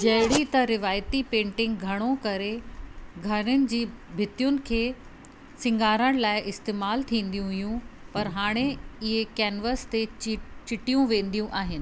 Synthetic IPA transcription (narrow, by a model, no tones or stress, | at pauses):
d͡ʑɐɦɪɽit̪ɐɾɪʋaːjt̪ipẽːɳʈɪ̃ŋɡɡʱɐɽ̃okɐɾeɡʱɐɽɪnɪ̆d͡ʑiːbʱɪt̪ijʊnɪ̆kʰeː | sɪ̃ŋɡaːɾəɽ̃laːɪʔɪst̪eːmaːlt̪ʰĩːn̆d̪ijũɦʊjũpɐɾɦaːɽ̃eɪɦekɛːnʋəst̪et͡ɕɪʈijũʋẽːn̆d̪ijũʔaːɦɪnɪ̆